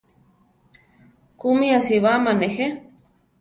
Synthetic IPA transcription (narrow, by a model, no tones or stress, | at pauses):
kumiasiβamanexe